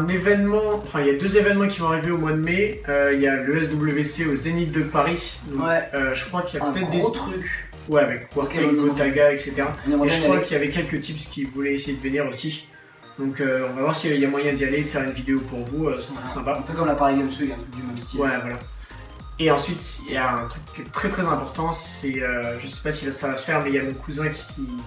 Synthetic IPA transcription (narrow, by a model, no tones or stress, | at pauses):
ɛ̃nevɛnmɑ̃ɑ̃fɛ̃iljad̪øzevɛnmɑ̃kʲisɔ̃aʁiveomwad̪əmeøiljaløɛsd̪ubləveseozenit̪̚d̪əpaʁi | d̪ɔ̃ɛøʒəkχwakiljapət̪ɛt̪χd̪et̪χyk | wɛavɛkːwaʁt̪eut̪aɡaɛkset̪eʁaaeəwakəiljavɛkʲɛlkət̪ipskʲivulɛesejed̪əvəniʁosi | d̪̥ɔ̃køɔ̃vavwaʁsiiljamwajɛ̃d̪ijaled̪əfɛʁynvid̪eopuʁvuøsə̥səʁɛsɛ̃paɛ̃pøkɔmlapaʁikɔmsøɛ̃d̪ymst̪iwɛvwala | eɑ̃sɥit̪jaɛ̃t̪χykːʲɛt̪χɛt̪χɛzɛ̃pɔʁt̪ɑ̃sɛøʒəsɛ̥pasilasavasə̥fɛʁmɛjamɔ̃kʰuzɛ̃kʲʰi